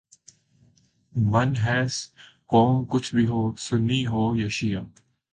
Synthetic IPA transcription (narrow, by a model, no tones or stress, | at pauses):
ʋɐnɦɛːskɔːnkʊt͡ʃʰbʱiɦoːsʊnːiɦoːjɐʃija